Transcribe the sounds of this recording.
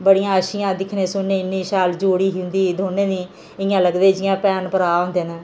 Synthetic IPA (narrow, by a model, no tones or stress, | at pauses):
bəɽijãːəʃɪjãːd̪ɪkʰnẽːsʊnːẽːɪnːiːʃaːld͡ʒoːɽiːɦɪ̃nd̪iːd̪ʱoːnẽːniː | ɪjãːləɡd̪eːd͡ʒɪjãːpɛːnpəɾaːɦõːnd̪eːnãː